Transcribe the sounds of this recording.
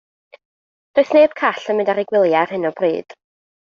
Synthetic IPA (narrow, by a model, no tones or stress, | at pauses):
d̥oɨθneːb̥̚kʰaɬənmɪ̃ndaɾɪɡwɪlˠjar̥hɨnɔbrḭːd̥